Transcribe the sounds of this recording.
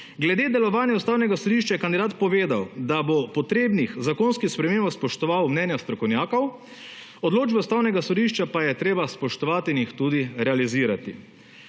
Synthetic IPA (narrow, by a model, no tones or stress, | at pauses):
ɡlɛd̪eːd̪ɛlɔʋaːnjɛust̪aːwnɛɡasɔd̪iʃt͡ʃajɛkand̪id̪aːt̪pɔʋeːd̪awd̪abopɔt̪ɾeːbnixzakonskixspɾɛmeːmbawspɔʃt̪ɔʋawmnɛnjast̪ɾɔkɔwnjaːkɔw | ɔd̪loːd͡ʒbɛust̪aːwnɛɡasɔd̪iʃt͡ʃapajɛt̪ɾeːbaspɔʃt̪ɔʋaːt̪iːnjixt̪uːd̪iɾɛaliziːɾat̪i